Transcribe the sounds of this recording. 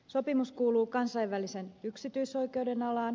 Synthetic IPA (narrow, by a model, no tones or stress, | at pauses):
so̞pimuskuːluːkɑnsɑiʋʋælise̞nyksit̪yiso̞jke̞ude̞nɑlɑːn